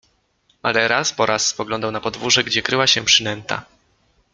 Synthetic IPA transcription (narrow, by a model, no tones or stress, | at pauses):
malɛɾaspɔɾʔasːpɔɡlɔnd̪awnapɔd̪vuʐɛɡd͡ʑɛkɾɘwaɕɛpʂɘnɛnt̪a̰